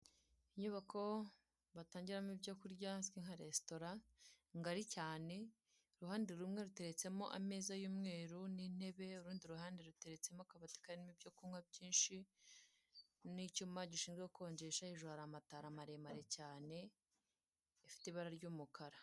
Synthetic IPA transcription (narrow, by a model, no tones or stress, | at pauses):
iɲuβakʰo̞ | βataːɲɟiɾamibɟokuɾɟaskiŋhaɾesto̞ɾa | ŋɡaɾicaːne̞ | ɾuhaːndeɾumŋe̞ɾute̞ɾe̞t͡se̞mo̞ʔa̰me̞ːzajuːmŋe̞ːɾunin̥e̞βe̞uɾuːndiɾuɦaːndeɾute̞ɾe̞t͡se̞mokaβati̥kaɾinimibɟokuŋabɟiːnʃi | nicuːmaɟiʃiːnzɡeukoːɲɟe̞ʃahiʒuhaɾamataɾamaɾemaɾe̞caːne̞ | ifi̥teiβaɾaɾɟuːmukʰaɾa